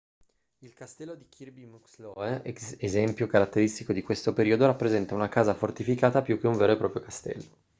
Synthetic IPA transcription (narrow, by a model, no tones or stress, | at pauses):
ilkast̪ɛlːod̪ikʰirbimukslɔeezɛmpjokaɾat̪ːeɾist̪ikod̪ikwest̪opeɾiod̪oɾapːɾezɛnt̪aunakaːzafort̪ifikaːt̪apjuk̟ːeuɱveːɾoepɾɔːpɾjokast̪ɛ̰lːo